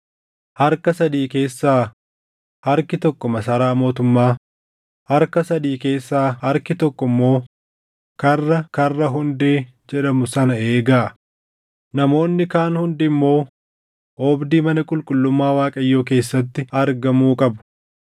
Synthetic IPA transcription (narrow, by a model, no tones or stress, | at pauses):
hɐɾkɐsɐd̪iːke̞ːsːaː | hɐɾkɪt̪ɔkːɔmɐsɐɾaːmo̞ːt̪ʊmːaː | hɐɾkɐsɐd̪iːke̞ːsːaːhɐɾkɪt̪ɔkːɔmːo̞ː | kɐrːɐkɐrːɐɦʊnd̪eː | d͡ʒɛᶑɐmʊsɐnɐe̞ːɡaː | nɐmo̞ːnːɪkaːnhʊnd̪ɪmːo̞ː | oːbd̪iːmɐnɐkʼʊlkʼʊlːʊmːaːwaːkʼɐjːoːk̬e̞ːsːɐt̪ːɪɐɾɡɐmuːkʼɐbʊ̥